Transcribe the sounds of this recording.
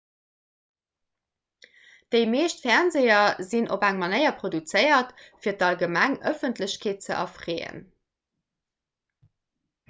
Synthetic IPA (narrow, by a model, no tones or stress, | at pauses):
d̥əɪmeːɕtfæɐnzejɐzinʔo̰bæŋmɑnəɪɐpʁodut͡səɪɐtfiːɐtɑlɡəmæŋʔœfəntləɕkʰeːt̚t͡səʔɑ̰fʁeːə̰n